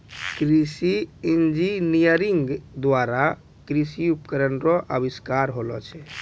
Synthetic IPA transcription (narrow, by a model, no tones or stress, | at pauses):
kɾisiind͡ʒinijəɾiŋɡd̪waɾa | kɾisiupkəɾənɾɔʔəbiskaɾɦolɔ̰t͡ʃʰɛ